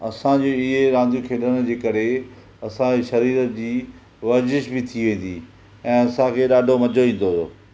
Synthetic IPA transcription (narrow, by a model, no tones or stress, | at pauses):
ɐsãd͡ʑoːɪɦeɾãːnd̪ʱjukʰeːlənd͡ʑeːkɐɾe | ɐsãd͡ʑeʃɐɾiːɾəd͡ʑiː | ʋɐzɪʃbɪt̪ʰiʋẽːn̆d̪ḭː | ɛ̃ːɐsãkʰeːɗaːɖʱomɐd͡ʑʱoʋĩːn̆d̪ooː